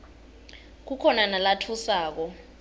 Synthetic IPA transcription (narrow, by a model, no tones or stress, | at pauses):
k̬ukʰɔnanalatʰusaːk̬ɔ